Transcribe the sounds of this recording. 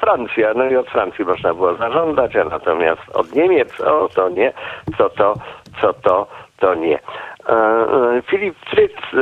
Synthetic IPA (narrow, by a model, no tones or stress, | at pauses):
fɾant̪sʲjanɔiɔt̪fɾant̪sʲjimɔʐnabɘwɔzaʐɔnd̪zat͡ɕana̰t̪ɔmʲja̰st̪ɔ̰d̪ɲemʲjɛt̪sɔ̰t̪ɔɲɛt̪sɔt̪ɔt̪sɔt̪ɔt̪ɔɲɛ | fʲilʲipːɾɘt̪s